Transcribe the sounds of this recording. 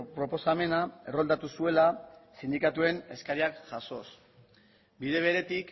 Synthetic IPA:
pɾo̞po̞same̞nae̞rold̪at̪usue̞lasind̪ikat̪ue̞ne̞skaɾiakʝaso̞s | biðe̞βe̞ɾe̞t̪ik

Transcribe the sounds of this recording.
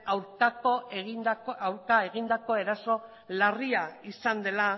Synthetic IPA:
awɾkakoeɣiawɾkae̞ɣ̞ind̪ako̞e̞ɾaso̞ | lariaisand̪e̞la

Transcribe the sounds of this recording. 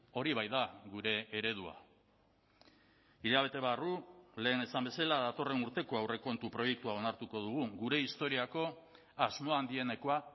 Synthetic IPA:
o̞ɾiβ̞ajðaɣuɾe̞ːɾe̞ð̞ua̰ | iʎaβ̞e̞t̪e̞β̞arule̞ːne̞sambe̞salaðat̪o̞re̞nuɾt̪e̞ko̞awre̞ko̞nt̪upɾo̞je̞kt̪uao̞naɾt̪uko̞ðuɣ̞uɡuɾe̞ist̪o̞ɾiako̞ | azmo̞and̪ie̞ne̞ko̞a

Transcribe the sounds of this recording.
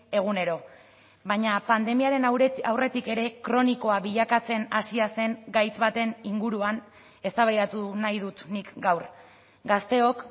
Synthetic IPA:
e̞ɣune̞ɾo̞ | βaɲapand̪e̞miaɾe̞nawre̞t̪ike̞ɾe̞kɾo̞niko̞aβiʎakat͡se̞nasiase̞ŋɡajt͡sβat̪e̞niŋɡuɾuan | e̞st̪aβajðat̪unajðut̪nikɡawɾ | ɡast̪e̞o̞k

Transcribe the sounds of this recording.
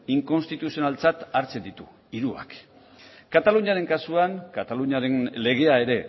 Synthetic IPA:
iŋko̞nst̪it̪usio̞nalt͡sat̪aɾt͡se̞nd̪it̪u | iɾua̰k | kat̪aluɲaɾe̞ŋkasuaŋkat̪aluɲaɾe̞nle̞ɣe̞ae̞ɾe̞

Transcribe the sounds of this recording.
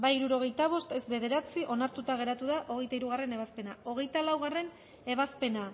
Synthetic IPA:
bajiɾuɾo̞ɣ̞e̞jt̪aβ̞o̞st̪e̞zbe̞ðe̞ɾat͡siʔo̞naɾt̪ut̪aɣ̞e̞ɾat̪uðaʔo̞ɣe̞jt̪aiɾuɣ̞are̞ne̞βaspe̞nao̞ɣ̞e̞jt̪alawɣare̞n | e̞βaspe̞na

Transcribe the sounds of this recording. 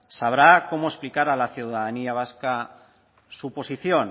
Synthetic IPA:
saβ̞ɾako̞moesplikaɾalaθjuwðaðaniaβ̞aska | supo̞siθjon

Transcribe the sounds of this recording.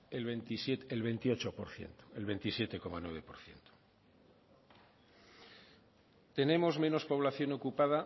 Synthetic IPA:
elβent̪isjet̪elβe̞nt̪io̞t͡ʃopo̞ɾθje̞̰nt̪o̥elβe̞nt̪isje̞t̪e̞ko̞manwe̞βe̞po̞ɾθje̞̰nt̪o̥ | t̪e̞nẽ̞mo̞zmẽ̞no̞spo̞β̞laθjo̞no̞kupaða

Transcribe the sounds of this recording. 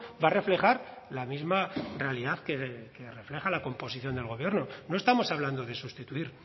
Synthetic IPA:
bare̞fle̞χaɾlamizmarealiðaθkeke̞re̞fle̞xalako̞mpo̞siθjo̞nd̪e̞lɣ̞o̞β̞je̞ɾno̞no̞e̞st̪amo̞saβland̪o̞ð̞e̞sust̪it̪uiɾ

